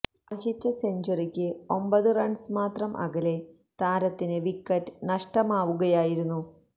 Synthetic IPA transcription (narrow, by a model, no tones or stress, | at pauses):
ɐrɦit͡ɕːɐseɲd͡ʑɐrikʲːɨo̞mbɐðɨrɐɳɖsmaːt̪rɐmʔɐ̰ɣɐle̞ | t̪aːɾɐt̪ːinɨʋikːɐtːnɐʂʈɐmaːʋuɣɐjaːjiɾunːu